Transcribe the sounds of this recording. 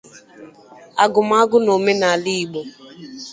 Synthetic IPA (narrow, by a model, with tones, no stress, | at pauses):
a˨ɡʊ˨ma˦ɡʊ˦no˨me˦na˨a˨li˦i˨ɡ͡bo˦